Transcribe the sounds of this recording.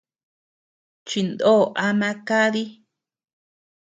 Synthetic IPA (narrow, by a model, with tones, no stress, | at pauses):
t͡ʃi˧nd̪o˦˨ʔa˧mã˧ka˦ði˦